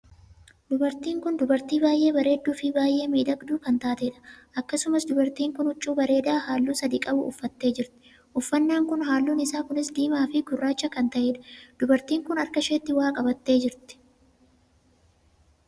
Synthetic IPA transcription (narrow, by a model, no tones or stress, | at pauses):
d̪ʊbɐɾt̪iːŋkʊnd̪ʊbɐɾt̪iːbaːjʔe̞ːbɐɾe̞ːd̪ːuːfɪbaːjʔe̞ːmiːᶑ̪ɐɡd̪uːkɐnt̪aːt̪eːᶑɐ̥ʔɐkːɐsʊmɐsd̪ʊbɐɾt̪iːŋkʊnʊt͡ʃʼːuːbɐɾe̞ːd̪aːhaːlːuːsɐd̪iːkʼɐbʊʔʊfːɐt̪ːe̞ːd͡ʒɪɾt̪ɪ̥ | ʔʊfːɐnːaːŋkʊnɦaːlːuːnɪsaːkʊnɪsd̪iːmaːfɪɡʊrːaːt͡ʃːɐkɐnt̪ɐʔeːᶑɐ̥d̪̥ʊbɐɾt̪iːŋkʊnɐɾkɐʃeːt̪ːɪwaːkʼɐbɐt̪ːe̞ːd͡ʒɪɾt̪ɪ̥